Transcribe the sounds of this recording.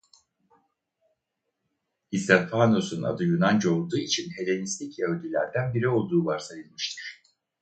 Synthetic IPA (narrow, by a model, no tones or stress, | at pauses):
ist̪anfano̞suna̰d̪ɯjunand͡ʒo̞lˠd̪uːit͡ʃʰinɦe̞lʲe̞nist̪ʲicɛølʲd̪ʲilʲæɾd̪ænbiɾio̞lˠd̪uːbaɾsajɯlˠmɯʃt̪ʰɯɾ̝̥